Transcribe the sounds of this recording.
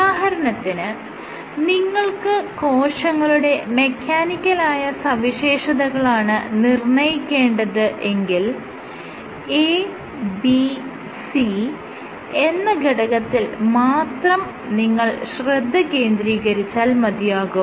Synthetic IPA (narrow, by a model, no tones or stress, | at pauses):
aːɦɐɾɐnɐt̪ːinɨ | niŋːɐɭkɨko̞ːʂɐŋːɐɭuɽe̞me̞kʰːaːnikʲːɐlaːjɐsɐʋiɕe̞ːʂɐðɐɣɐɭaːɳɨnirɳɐjikʲːe̞ːɳɖɐðɨʔe̞ŋɡil | e | bi | si | e̞nːɐɡɐɽɐɣɐt̪ːilmaːt̪rɐm | niŋːɐɭɕrɐd̪ʱːɐke̞ːnd̪ɾiːɣɐɾit͡ɕːaːlmɐd̪ʱjaːɣu